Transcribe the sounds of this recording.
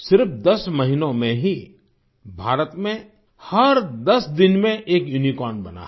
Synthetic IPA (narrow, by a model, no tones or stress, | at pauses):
sɪɾpd̪ɐsmɐɦinõmẽɦi | bʱaːɾət̪mẽ | hɐɾd̪ɐsd̪ɪnmẽʔeːkjʊnikɔːnbɐna̰